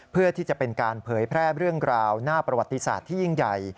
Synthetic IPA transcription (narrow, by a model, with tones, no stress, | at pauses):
pʰɯ˥˩ət̪ʰiː˥˩t͡ɕa˨˩pe˧nkaː˧npʰɤː˩˦jpʰɾɛː˥˩ɾɯ˥˩əŋɾaː˧wnaː˥˩pɾa˧wa˨˩t̪ːi˧sa̰ː˨˩t̪ʰːiː˥˩ji˥˩ŋja˨˩j